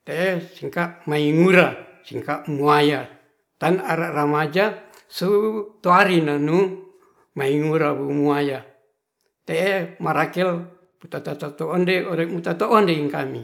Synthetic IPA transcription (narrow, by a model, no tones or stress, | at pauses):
t̪eʔesiŋkaʔmaiŋuɾasiŋkaʔmuaja | t̪anaɾaramad͡ʒa | sut̪oaɾinanu | maiŋuɾabumuaja | t̪eemaɾakɛl | put̪at̪at̪at̪oːndeoɾemut̪at̪oʔːndeiŋkami